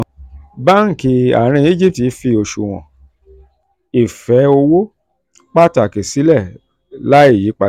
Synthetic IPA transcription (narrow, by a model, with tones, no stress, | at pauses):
ba˦ŋ̩˨ki˧a̰˨ɾ̃ĩ˧i˦d͡ʒi˦p̚ti˨˦fi˧o˧ʃu˨w̃ɔ̰̃˨ | i˨fɛ˨˦o˧wo˦ | k͡pa˦ta˨ke˨si˨˦lɛ˦˨ | la˦i˦˨ji˨˦k͡pa˧